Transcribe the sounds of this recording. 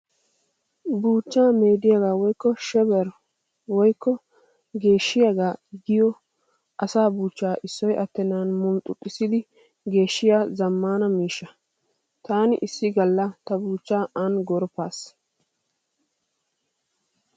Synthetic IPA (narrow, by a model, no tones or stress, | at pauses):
buːt͡ʃːaːmeːd̪ɪjaɡaːwɔjkːɔʃɛbɛɾ | wɔjkːɔ | ɡe̞ːʃːɪjaɡaːɡɪjɔ | ʔɐsaːbuːt͡ʃːaːʔɪsːɔjʔɐt̪ːɛnaːnmʊnt̪ʼʊt̪ʼːɪsɪd̪ɪ | ɡe̞ːʃːɪjaːzɐmːaːnɐmiːʃːɐ | t̪aːnɪ̰ʔɪsːɪɡɐlːɐt̪ɐbuːt͡ʃːaːʔɐnɡɔɾpːaːs